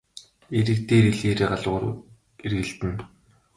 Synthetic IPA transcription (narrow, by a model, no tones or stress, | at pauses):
eɾɘ̆kt̪eːɾiɮeːɾeːɢaɮʁʊːr | erɣɘ̆ɮt̪ɘ̆n